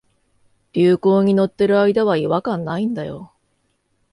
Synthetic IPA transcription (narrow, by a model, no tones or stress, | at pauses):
b̥ʲɨːko̞ːɲ̟ino̞t̪ːe̞ɾɯ̟aid̪aβaiβakãnːaĩnd̪ajo̞̰